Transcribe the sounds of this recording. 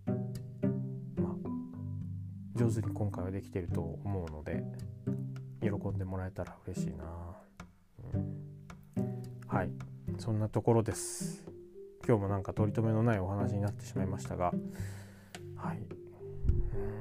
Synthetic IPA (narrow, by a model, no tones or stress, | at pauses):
ma | d͡ʑo̞ːzɨɲ̟ikõ̞ŋkaiβad̪e̞kʲi̥t̪e̞ɾɯ̟t̪o̞ːmo̞ɯ̟no̞d̪e̞̰ | jo̞ɾo̞kõ̞nd̪e̞mo̞ɾae̞t̪aɾaɯ̟ɾe̞ɕḭːnaː | ɯ̃ | haisõ̞nːat̪oko̞ɾo̞d̪e̞sɨ̥ | kʲo̞ːmo̞nãŋkat̪o̞ɾʲit̪o̞me̞no̞naio̞ɦanaɕiɲ̟inat̪ːe̞ɕimaimaɕi̥t̪a̰ɡa | hai | ɯ̃